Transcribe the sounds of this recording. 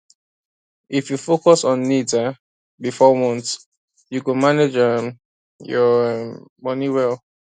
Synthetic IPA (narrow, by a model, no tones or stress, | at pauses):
ifjufokɔsɔ̃nːida | bifɔmɔ̃nt | jukə̃maned͡ʒɛm | jɔ | mʌniwɛlˠ